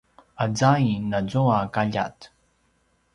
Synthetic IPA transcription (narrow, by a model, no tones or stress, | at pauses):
ad͡zainad͡zoakaʎa̰t